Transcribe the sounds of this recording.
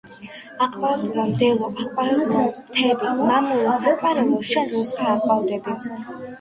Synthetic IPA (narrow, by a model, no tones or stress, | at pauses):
aqʼbauɾamd̪ɛlɔʔaqʼvaɾbuɾat̪ʰɛbɛmamuɔsakʼaɾɛlɔʃɛnɾɔsaːqʼawd̪ɛbɛn